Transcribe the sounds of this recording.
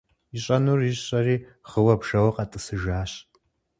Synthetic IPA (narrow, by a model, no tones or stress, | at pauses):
iɕʼɐnurizɕʼɐriː | χəwɐpʂɐwɐqʼɑtʼɨsɨʒaːɕ